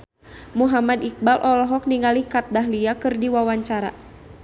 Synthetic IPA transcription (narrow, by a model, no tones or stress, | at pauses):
muɦamadik̚balʔɔlɔɦɔk̚niŋalikat̪̚daɦliakɨrdiwawaɲt͡ʃaɾa̰